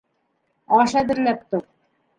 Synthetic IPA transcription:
ɑʃæd̪ɘ̆ɾlæp̚t̪uq̚

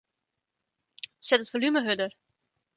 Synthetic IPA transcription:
sɛtətfolyməɦødər

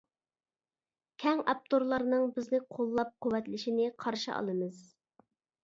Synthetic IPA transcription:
kʲʰɛŋɑp̚t̪ʰoɾlˠɑɾnɨŋbɪznɪqʰolˠːɑp̚qowɛt̪lɪʃinɪqʰɑɾʃɨ̰ɑ̰lˠɨmɨz̥

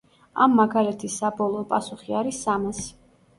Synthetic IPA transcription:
a̰mːaɡalɛt̪ʰisːabɔlˠɔpʼasuχiaɾisːamas

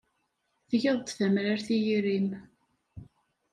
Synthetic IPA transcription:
θʝəðˤt̪θæmɾaɾθijiɾim

